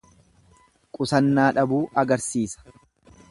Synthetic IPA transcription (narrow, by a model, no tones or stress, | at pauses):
kʼʊsɐnːaːᶑɐbuːʔɐɡɐɾsiːsɐ̥